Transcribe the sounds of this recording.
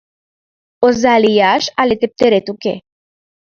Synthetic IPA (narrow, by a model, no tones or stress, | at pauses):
ozalijaʃalet̪ep̚t̪eɾet̪ukḛ